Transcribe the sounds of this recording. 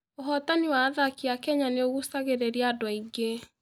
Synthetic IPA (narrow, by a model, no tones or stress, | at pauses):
oɦɔtaniwaːðakiakɛɲaneoɣusaɣeɾeɾiadwɔiɡe